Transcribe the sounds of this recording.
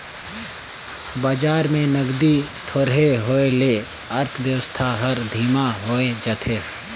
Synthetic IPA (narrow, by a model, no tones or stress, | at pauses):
baːd͡ʒaːɾmẽnəɡd̪it̪ʰoɾɦeɦoːele | əɾt̪ʰʋjəwəst̪ʰaɦəɾd̪ʱiːmaɦoːed͡ʒət̪ʰeː